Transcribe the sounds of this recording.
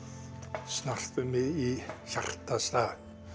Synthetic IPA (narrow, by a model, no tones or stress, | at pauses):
snarθʏmɪiɬar̥t̪ast̪aː